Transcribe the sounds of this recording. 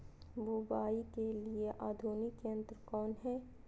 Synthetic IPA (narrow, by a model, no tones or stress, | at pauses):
bubaːikelieʔaːd̪ʱuːnɪkə̃nt̪ɾkɔːnɦɛː